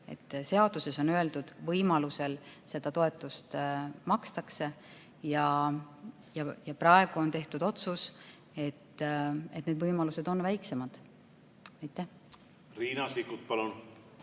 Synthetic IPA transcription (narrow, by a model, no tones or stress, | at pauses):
e̞̰t̪ːse̞ɑd̪̥use̞so̞nøe̞ld̪ud̪̥vɤjmɑluse̞lse̞d̪̥ɑt̪o̞e̞t̪ːˑust̪mɑkst̪ɑkse̞ | jɑ | jɑjɑprɑe̞ɡ̥uont̪e̞ht̪ud̪o̞t̪sus | e̞t̪ːe̞t̪ːned̪vɤjmɑluse̞d̪̥o̞nvæjkse̞mɑd̪̥ | ɑjt̪ːˑæh | riːnɑsikut̪̚pɑlun